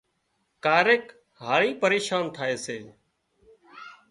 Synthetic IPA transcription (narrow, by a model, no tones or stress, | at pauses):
kaːɾeːk | ɦaːɭiːpəɾeːʃaːnt̪ʰaːeːseː